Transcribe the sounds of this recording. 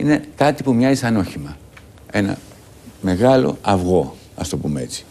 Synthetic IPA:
ine̞kɐt̪ipumɲɐzisɐno̞çimɐ | e̞nɐ̰ | me̞ɣɐlo̞̰ɐvɣo̞ | ɐ̰st̪o̞pumeet͡si̥

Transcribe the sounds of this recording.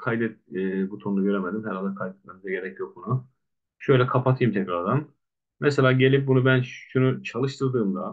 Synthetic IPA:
kʰajd̪ɛt̪̚ːbut̪ʰonud̪uɟø̞ɾemed̪imhɛɾalʲd̪ɛkʰajd̪ɛt̪̚memizɛɟe̞ɾɛcjok̚bunu | ʃø̞jlʲɛkʰapʰat̪ʰɯjɯmt̪ʰɛcɾaɾd̪an | mɛselʲaːɟe̞lʲip̚bunubænʃunut͡ʃʰalˠɯʃt̪ʰɯɾd̪ɯːmd̪a

